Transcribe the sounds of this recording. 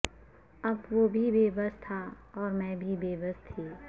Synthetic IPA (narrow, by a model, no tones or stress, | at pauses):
ɐbʋoːbʱibeːbəst̪ʰaɔːɾmɛ̃ːbʱibeːbəst̪ʰiː